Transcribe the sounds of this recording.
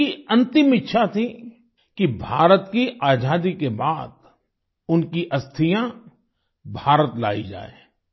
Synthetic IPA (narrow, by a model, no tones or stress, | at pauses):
iɐ̃nt̪ɪmɪtːʃʰat̪ʰi | kibʱaːɾət̪kiʔaːd͡ʒaːd̪ikebaːd̪ | ʊnkiʔɐst̪ʰɪjã | bʱaːɾət̪la̰ːḭd͡ʒa̰ːḛː